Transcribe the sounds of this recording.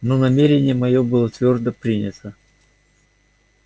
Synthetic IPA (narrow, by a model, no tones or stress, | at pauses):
nonɐmʲeɾʲɪnʲɪjəmɐjobɨlˠət̪vʲo̞rd̪əpɾʲinʲɪt̪ʰə